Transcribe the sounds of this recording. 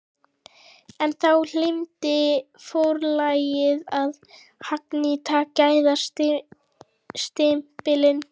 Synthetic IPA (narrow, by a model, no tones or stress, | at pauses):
ɛnθawl̥ɪmt̪ɪ | fowɾlaːjɪðað | haknit̪ʰaːcaːjðat | st̪ɪmpɪlɪn